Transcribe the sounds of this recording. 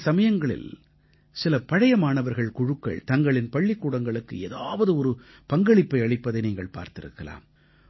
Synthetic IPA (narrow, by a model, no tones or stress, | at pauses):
sɐmɐjɐŋɡɐɭɪ̰l | sɪlɐpɐɻɐjɐmaːnɐʋɐɾɣɐɭkʊɻɯkːɐ̰ɭt̪ɐŋɡɐɭɪnpɐɭːɪkːuːɽɐŋɡɐɭɯkːɯḛːðaːʋɐðɯɔɾɯ | pɐŋɡɐɭɪpːɐɪɐɭɪpːɐðɐɪniːŋɡɐɭpa̰ːɾt̪ɪɾɯ̰kːɐla̰ːm